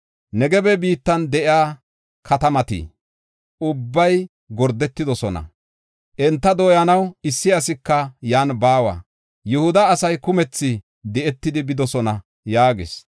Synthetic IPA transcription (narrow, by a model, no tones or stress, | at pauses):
nɛɡɛbɛbiːt̪ːɐnd̪ɛʔjaː | kʰɐt̪ɐmɐt̪ḭː | ʔʊbːɐj | ɡɔɾd̪ːɛt̪ːɪd̪ɔsɔnɐ̰ | ʔɛnt̪ːɐd̪oːjɐnɐwɪsːɪɐs̬ɪkːɐjaːnbaːwa̰ː | jʊhʊd̪ɐːsɐjkʊmɛt͡sːɪ | d̪ɛʔɛt̪ːɪd̪ɪbɪd̪ɔsɔnɐ | jaːɡɪ̰s